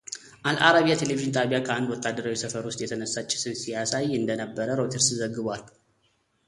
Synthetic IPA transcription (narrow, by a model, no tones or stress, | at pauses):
ʔalʔaɾaβijat̪ʰe̞leviʒɪnt̪ʰapijakʰəand̪wɔt̪ʼːad̪ːəɾawisəfəɾwʊst̪ʼjɛt̪ʰənəsːat͡ʃːɛ̥sɨβsijasajɨnd̪ənəbːəɾəɾo̞t̪ʰeɾszəɡːɨβʷal